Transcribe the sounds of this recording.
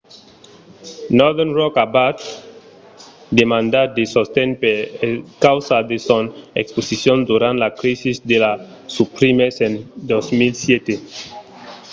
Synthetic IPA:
nɔðɛnɹɔkabat̪ | d̪emãnd̪ad̪esost̪ɛ̃npekawsad̪esɔ̃nɛksposisjɔ̃nd̪uɾãnt̪lakɾisisd̪ela | supɾimesẽnd̪osmilsjɛt̪e

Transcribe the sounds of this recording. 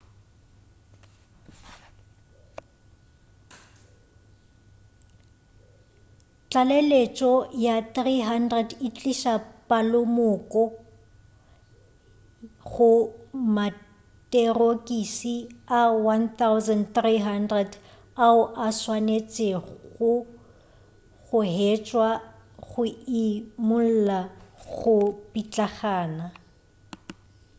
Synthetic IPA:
t͡ɬʼalelet͡ʃʼɔjaθriɦandrɛdit͡ɬʼiʃapʼalʊmʊkʼɔ | ɣʊma | tʼerokʼisiawant̪awzandθriɦandrɛd | aʊʔaswanet͡sʼɪɣʊ | ɣʊɦet͡ʃʼwa | ɣʊɪmʊl̩laɣʊpit͡ɬʼaχaːna

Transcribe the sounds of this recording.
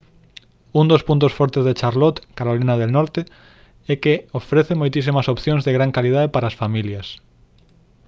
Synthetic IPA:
und̪ospunt̪osfɔɾt̪ezðet͡ʃaɾlɔt̪kaɾolinɐðelnɔɾt̪e | ɛkeofɾeθemojt̪isimɐsopθjoŋzðeɣɾaŋkalið̞aðepaɾaːsfamiljɐs

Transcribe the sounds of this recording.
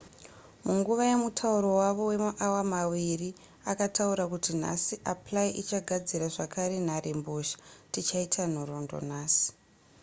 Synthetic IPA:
muŋɡuʋaje̞mutʰauɾo̞waʋo̞we̞maʔawamawiri | akatauɾakutin̤a̰siʔaplaiʔit͡ʃaɡʱad͡ziɾaʐakaɾe̞narʔemboʃḁtit͡ʃaitʰan̤oɾo̞ndo̞̰naːsi̥

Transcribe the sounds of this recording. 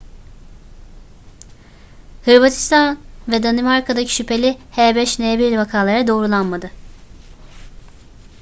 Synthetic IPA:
hɯɾbat̪ʰi̥st̪ʰanvɛd̪animaɾkʰad̪acʰi̥ʃypʰe̞lʲihɛbɛʃnebiɾilʲvakʰaːlˠaɾad̪o̞ːɾulˠanmad̪ɯ

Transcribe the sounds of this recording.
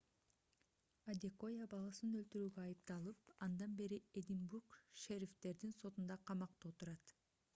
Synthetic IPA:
ad̪ʲeko̞jabɑlˠɑsnølt̪yɾyːɡøɑjɯp̚t̪ɑlˠɯp̚ɑnd̪ɑnbe̞ɾied̪ʲimbuɾkʃeɾʲift̪e̞ɾd̪inso̞t̪und̪ɑqʰɑmɑq̚t̪ot̪uɾɑt̪

